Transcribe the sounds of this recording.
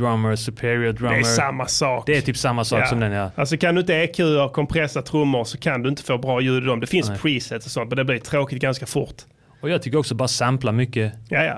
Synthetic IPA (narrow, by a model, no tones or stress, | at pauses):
ɾamːəsʉpʰɪɾɪədɾaɛməamːasɑːkd̪ɛæɾʰyːpsamːasɑːsɔmd̪ɛnjɑːʔals̬ɔkʰand̪ɵɪnt̪əekʰʉ̟ːəɾkʰɔmpʰɾɛsat̪ʰɾɵmːʊɾsɔkʰand̪ɵɪnt̪ə̥foːbɾɑːjʉ̟ːd̪ɪd̪ɔmd̪ɛfɪnspʰɾiːsɛt̪sɔsɔnt̪̚mɛnd̪ɛblɪɾt̪ʰɾoːkɪt̪̚ɡanskafʊɾt̪ | ɔjɑːɡ̚t̪ʏkːəɾɔksɔbɑːɾasamplaɾmʏkːəjaja̰